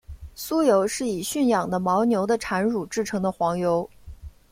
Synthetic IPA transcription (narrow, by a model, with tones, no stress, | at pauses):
su˥jo˧˥ʊʂɻ̩˥˩i˨˩ɕy˥˩njɑ˨˩ŋd̪ə˦mɑ˧˥ʊnjo˧˥ʊd̪ə˧ʈ͡ʂʰa˧˥nɻu˨˩ʈ͡ʂɻ̩˥˩ʈ͡ʂʰɤ˧˥ŋd̪ə˧xwɑ˧˥ŋjo˧˥ʊ